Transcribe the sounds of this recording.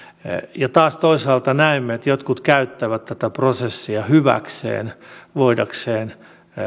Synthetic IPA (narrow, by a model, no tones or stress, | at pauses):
jɑt̪ɑːst̪oisɑːlt̪ɑnæimːeet̪jot̪kut̪kæyt̪ːæʋæt̪t̪æt̪æprosesːiɑhyʋæ̰ksḛːnʋoidɑkseːn